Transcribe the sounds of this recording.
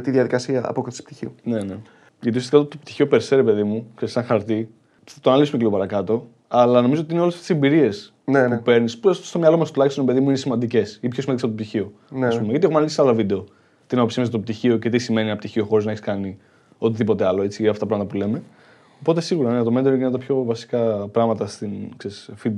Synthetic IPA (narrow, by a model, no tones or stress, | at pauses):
t̪iðjɐðikɐsiɐɐ̰poksi̥pt̪içione̞ne | ʝɐt̪iusiɐst̪ikaot̪op̚t̪i̥çio̞peɾseɾepe̞ðimuksesɐŋxɐɾt̪i | ɐt̪oɐnɐlisumeceliɣo̞pɐɾɐkɐt̪o̞ | ɐlɐno̞mizot̪iineolesɐfet̪sembiɾie̞s | nupe̞ɾnispusostomɲɐlo̞mɐst̪ulɐçist̪oɾpe̞ðimuinesimɐnd̪ice̞sipçosimɐnd̪iespot̪opt̪içio | ɐsppumeʝɐt̪iexmnɐlisealovid̪e̞o̞ | t̪inɐpsimɐsɐt̪op̚t̪içio̞ce̞t̪̬isime̞ninɐpt̪içio̞xo̞ɾiznɐeçiskɐni | o̞t̪iðipot̪eɐlo̞e̞t͡siɐft̪ɐpɾɐmɐt̪ɐpule̞me̞ | opo̞t̪e̞siɣuɾɐnɐt̪o̞met̪eɾoʝint̪ɐpço̞vɐsi̥kɐpɾɐɣmɐt̪ɐst̪inksesfid̪̚